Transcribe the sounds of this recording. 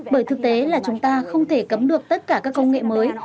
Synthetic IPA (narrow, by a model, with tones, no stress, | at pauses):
ɓəː˧˩jt̪ɨ˨˩k̚t̪e˨˦laː˨˩t͡ɕʊ˨˦ŋ͡mt̪aː˧xə˧wŋ͡mt̪ʰe˧˩kə˨˦mɗɨ˨˩ək̚t̪ə˦˥t̚kaː˧˩kaː˦˥kːə˧wŋ͡mŋḛ˧˨məː˨˦j